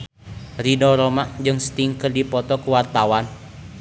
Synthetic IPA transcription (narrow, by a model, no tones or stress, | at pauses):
ridɔɾɔmaʔd͡ʒɨŋst̪iŋkərdipɔt̪ɔkuwart̪awan